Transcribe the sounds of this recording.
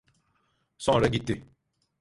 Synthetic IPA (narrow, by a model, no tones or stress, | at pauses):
sɔ̃ɾɛɡite